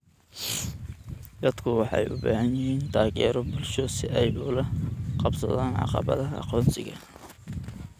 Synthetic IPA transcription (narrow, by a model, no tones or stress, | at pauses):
d̪ɐd̪̥kʰʊwɑħɑ̰jʔʊba̰ːhɐnjɪhiːnt̪ʰaːɣɛːɾɔbʊlʃɔsɪʔɛjʊlɐqɑbsɐðaːnʕɑ̰qɑ̰βɐ̰ðɐɦːqɔːnsɪɣɐ